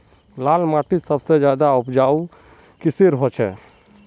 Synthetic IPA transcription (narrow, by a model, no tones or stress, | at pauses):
lalmaʈisəbsed͡ʒjad̪aupd͡ʒau | kiseɾɦɔt͡ʃʰɛ